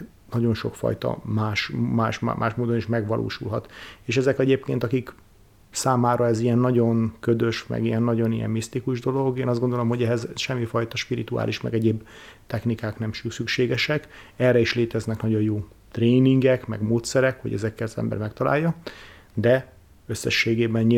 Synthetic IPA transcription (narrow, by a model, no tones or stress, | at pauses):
nɒɟo̞nʃo̞̰kfɒ̰jt̪ɒ̰maːʃmaːʃmʔaːʃmoːd̪o̞niʃmɛɡʋɒlʔo̰ːʃulɦɒt̪eːʃɛzɛkɛɟeːp̚keːnt̪ɒkik | saːmaːɾɒɛzijɛnːɒɟo̞ŋkød̪ø̞ʃmɛ̰ɡiɛnːɒɟo̞nijɛ̰mːist̪ikuʒd̪o̞lo̞ɡeːnɒzd̪ɡond̪o̞lo̞mɦo̞ɟɛɦɛzʃɛmːifɒjt̪ɒʃpiɾit̪ua̰ːlʔiʃmɛ̰ɡɛɟeːbt̪ɛxnikaːknɛmʃysykʃeːɡɛʃɛkɛrːɛiʃleːt̪ɛznɛknɒɟo̞jjoː | t̪reːniŋɡɛkmɛ̰ɡmoːt̪sɛɾɛkho̞̰ɟɛ̰zɛkːɛlɒzɛ̰mbɛ̰rmɛkt̪ɒla̰ːjːɒ | d̪ɛ | øsːɛʃːeːɡeːbɛnɲi